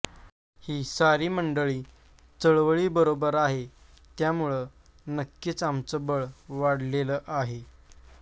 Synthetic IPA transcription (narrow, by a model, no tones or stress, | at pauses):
hiːsaɾiːməɳɖəɭiː | t͡səɭʋəɭiːbəɾobəɾaɦe | t̪jamuɭə | nəkːit͡samt͡səbəɭʋaɽleləːʔaɦe